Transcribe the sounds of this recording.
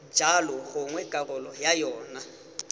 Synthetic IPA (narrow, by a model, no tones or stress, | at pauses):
d͡ʒʱalɔhʊŋwɛɡ̥ʼarɔlɔjajɔːna